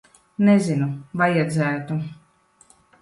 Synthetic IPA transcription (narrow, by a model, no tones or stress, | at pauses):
nɛzinuvajɛd̪zʲæːt̪u